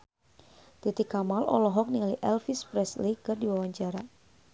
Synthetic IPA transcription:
t̪it̪ikamalʔɔ̰lɔɦɔk̚niŋaliʔɛlfispɾɛslikɨrdiwawaɲd͡ʒaɾa

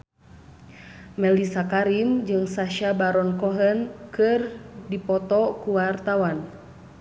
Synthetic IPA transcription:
mɛlisakaɾimd͡ʒɨŋsaʃabaɾɔnkɔɦənkɨrdipɔt̪ɔkuwart̪awan

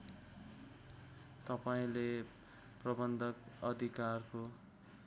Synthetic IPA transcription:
t̪ʌpaĩle | prʌbʌnd̪ʱʌkʌd̪ʱikarko

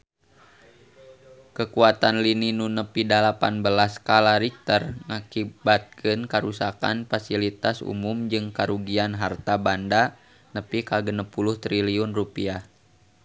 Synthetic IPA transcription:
kəkuat̪anlininunəpidalapanbəlaskalaɾik̚t̪ərŋakibat̪̚kʰɨnkaɾusaka̰nfasilit̪asṵmumd͡ʒɨŋkaɾuɡianɦart̪abanda | nəpikaɡənəpulʊht̪ɾiliunrupia

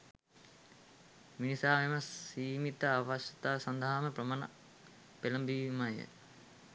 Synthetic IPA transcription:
minisaːmeməsiːmit̪əaʋaʃjɐt̪aːsand̪aɦaməprəmana̰ | peləmbimajə̰

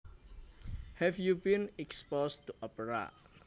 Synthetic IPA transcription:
hɛfjubĩnɛkspost̪uʔɔpəɾa̰t̚

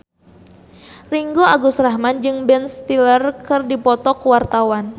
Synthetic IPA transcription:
riŋɡoaɡusraɦmand͡ʒɨŋbɛnst̪ilərkɨrdipɔt̪ɔkwart̪awan

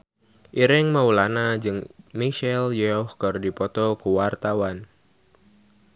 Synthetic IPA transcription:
ʔiɾɪŋmaulanad͡ʒɨŋmiʃɛljɔhkɨrdipɔt̪ɔkəwart̪awan

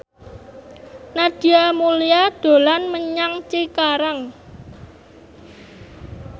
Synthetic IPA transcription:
nad̪̥i̤amuliad̪̥o̤lanməɲaŋt͡ʃikaɾaŋ

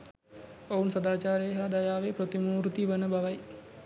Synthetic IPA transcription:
ounsɐd̪aːt͡ʃaːɾeɦad̪ajaːʋepɾot̪imuːɾut̪iʋənəbaʋɐj

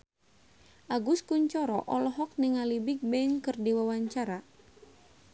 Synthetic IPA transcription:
ʔaɡuskuɲt͡ʃɔɾɔʔɔlɔɦɔk̚niŋalibik̚bɛŋkɨrdiwawaɲt͡ʃaɾa

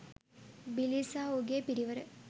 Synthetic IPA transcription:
bilisaːoɡepiɾiʋɐɾə

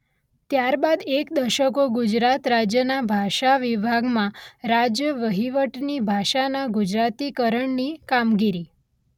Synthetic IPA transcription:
t̪jaɾbad̪ekd̪əɾʃəkoɡud͡ʒɾat̪ɾad͡ʒjənabʱaʃaʋibʱaɡmãɾad͡ʒjəʋəɦiʋəʈnibʱaʃanaɡud͡ʒɾat̪ikəɾəɳnikamɡiɾi

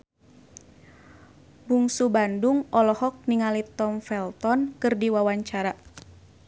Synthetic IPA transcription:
buŋsubanduŋɔlɔhɔk̚niŋalit̪ɔmfɛlt̪ɔnkɨrdiwawaɲt͡ʃaɾa

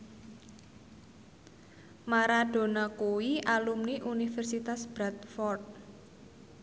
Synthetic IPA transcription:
maɾaɖ̥o̤nakuwiʔalumniʔunifɛrsit̪asb̥ɾat̪̚fɔrd̚

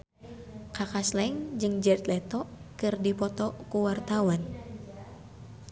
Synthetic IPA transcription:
kakaslɛŋd͡ʒɨŋd͡ʒɛt̪lɛt̪ɔ | kɨrdipɔt̪ɔkuwart̪awan

